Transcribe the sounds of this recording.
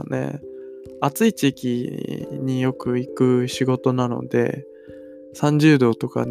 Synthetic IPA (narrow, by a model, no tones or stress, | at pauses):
ne̞̰ | at͡sɨit͡ɕikʲiɲ̟ijo̞kɯ̟ikɯ̟ɕiɡo̞t̪o̞nano̞̰d̪e̞̰ | sãɲ̟d͡ʑɨːd̪o̞ːt̪o̞ka̰